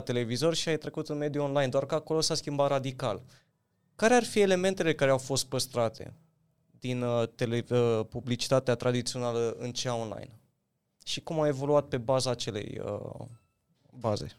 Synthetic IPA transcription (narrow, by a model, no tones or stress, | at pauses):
t̪e̞le̞vizo̞rʃiajt̪ɾe̞kut̪unmed̪juo̞nlajnd̪oarkəako̞lo̞saskʲimbat̪ɾad̪ikal | kaɾe̞arfie̞le̞me̞nt̪e̞le̞kaɾe̞awfo̞st̪̚pəst̪ɾat̪ʰe̞̰ | d̪int̪e̞lepublit͡ʃi̥t̪at̪eat̪ɾad̪it̪sio̞naləɨnt͡ʃeaonla̰jn | ʃikumawe̞vo̞luat̪̚pe̞bazaːt͡ʃe̞le̞̰jə̰ | baze̞̰